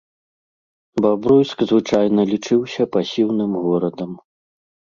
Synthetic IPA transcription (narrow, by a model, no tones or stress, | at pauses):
babɾɔjskzvɨt͡ʂajn̪ɐlʲit͡ʂɨwsʲɐpɐsʲiwnɨmɣɔɾɐd̪ɐm